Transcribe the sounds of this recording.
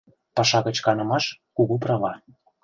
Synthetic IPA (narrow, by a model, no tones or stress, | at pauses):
pɑʃɑɣə̆t͡ɕkɑnɤ̆mɑʃkuɣuprɑβɑ